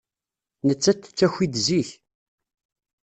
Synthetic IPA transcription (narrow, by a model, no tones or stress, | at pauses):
nət͡sːæt̪ːt͡sːæçʷid̪ziç